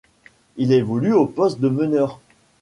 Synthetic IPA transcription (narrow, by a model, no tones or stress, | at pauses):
ilevɔlyopɔst̪̚d̪əmənœʁ